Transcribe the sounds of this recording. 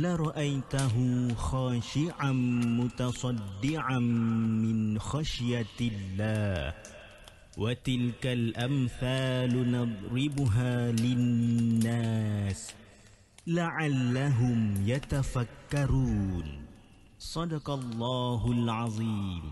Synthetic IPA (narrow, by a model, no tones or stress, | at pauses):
laɾˤɑʔajt̪aɦʊxaːʃɪʕamʊt̪ɑsˤɑd̪ːɪʕamɪnxaʃjalːaːh | wʔat̪ɪlkalʔamθaːlnɑd̪ˤɾɪbʊɦaːlɪnːaːs | laʕalːaɦʊmjat̪afakːɑɾuːn | sˤɑd̪ɑqɑlˤːɑːɦʊlʕɑðˤiːm